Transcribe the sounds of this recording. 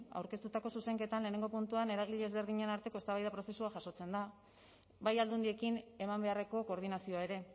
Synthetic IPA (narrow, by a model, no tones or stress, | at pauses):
a̰wɾke̞st̪ut̪ako̞suse̞ŋke̞t̪anle̞ne̞ŋɡo̞punt̪uane̞ɾaɣ̞iʎezβe̞ɾð̞iɲenaɾt̪e̞ko̞est̪aβajðapɾose̞suaʝaso̞t͡se̞nd̪a | βajald̪und̪ie̞kine̞mambe̞areko̞ko̞ːɾðinasio̞ae̞ɾe̞